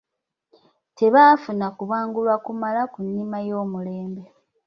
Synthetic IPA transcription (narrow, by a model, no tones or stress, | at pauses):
te̞βaːfunakuβaːŋɡulwakumalakunːimajo̞ːmule̞ːmbe